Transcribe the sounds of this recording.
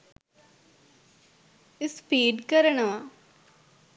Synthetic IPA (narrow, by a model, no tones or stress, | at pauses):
ɪspiːɖkəɾəɳəʋa